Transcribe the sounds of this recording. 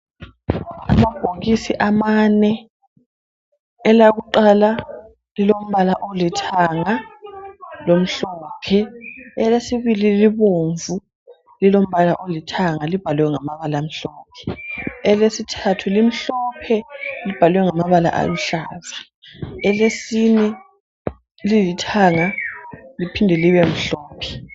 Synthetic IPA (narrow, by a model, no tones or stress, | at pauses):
a̰mab̥ʱoɣisiʔamanɛ | laɣuǃala | lilom̩βalaʔolitʰaŋa | lom̩ɬɔːpʰɛɛlesiβililiβoɱvu | lilom̩βalaʔolitʰaŋalib̥ʱalwɛŋamaβalam̩ɬɔːp̚ʰɛ̥ɛlesitʰatʰulim̩ɬɔpʰɛlib̥ʱalwɛŋamaβala̰ʔa̰juɬaːza | ɛlesinɛ | lilitʰaŋalipʰindʱɛliβem̩ɬɔːpʰɛ̥